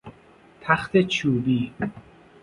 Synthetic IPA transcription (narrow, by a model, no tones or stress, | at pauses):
t̪ʰæxt̪ʰet͡ʃʰuːbiː